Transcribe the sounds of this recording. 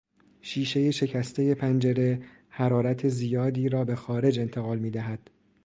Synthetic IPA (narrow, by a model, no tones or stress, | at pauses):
ʃiːʃe̞je̞ʃe̞cʰæst̪ʰe̞je̞pʰænd͡ʒe̞ɾe̞ | hæɾɒːɾæt̪ʰe̞zijɒːd̪iːɾɒːbe̞xɒːɾe̞d͡ʒe̞nt̪ʰeɣɒːlmiːd̪æɦæd̪̥